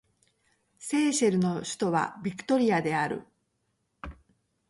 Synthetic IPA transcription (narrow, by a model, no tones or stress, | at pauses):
se̞ːɕeɾɯ̟no̞ɕɨ̥t̪o̞βa̰bʲikɯ̟̥t̪o̞ɾʲiad̪e̞aɾɯ̟̰